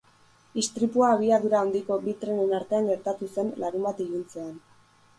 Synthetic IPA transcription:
ist̪ɾipuaːβ̞iaðuɾaond̪iko̞bit̪ɾe̞ne̞naɾt̪e̞aŋɡe̞ɾt̪at̪use̞nlaɾumbat̪ijunt͡se̞an

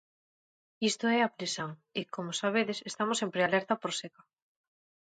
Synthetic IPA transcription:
ist̪oɛapɾisoŋekomosaβ̞eðesest̪amosempɾealɛɾt̪apoɾseka

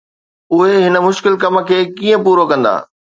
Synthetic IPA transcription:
ʊɦeɦɪnə̆mʊʃkɪlkɐmə̆kʰeːkiːə̃puːɾokɐ̃nd̪a̰ː

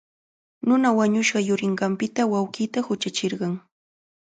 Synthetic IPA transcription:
nʊnawaɲʊʃɢɑjʊɾɪɴɢɑmpɪt̪awawɢiːt̪ahʊt͡ʃat͡ʃɪɾɢɑŋ

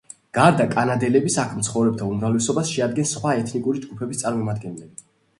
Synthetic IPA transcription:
ɡ̥aɾd̪akʼanad̪ɛlɛbisakʰmt̪sʰχɔvɾɛb̚t̪ʰaumɾavlɛsɔbasʃɛad̪̚ɡɛnsχwaɛt̪ʰnikʼuɾid͡ʒɡupʰɛbist̪sʼaɾmɔmad̪ɡɛnlɛbi

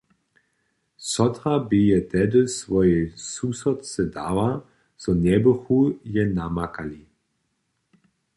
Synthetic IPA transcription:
sɔt̪ʁabijɛt̪ɛdəsvɔjɛsusɔtt͡sɛdava | z̥ɔnɛbəxujɛnamakali

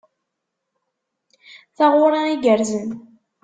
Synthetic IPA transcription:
θaʁʊɾˤɑiɡəɾzən

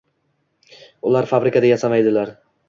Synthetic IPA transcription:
ʊlˠaɾfabɾɪkad̪ajasamajd̪ɪlaɾ

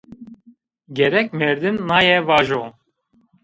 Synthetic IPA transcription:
ɡʲɛɾɛkmɛɾd̪ɨnːaːjɛvaːʒo

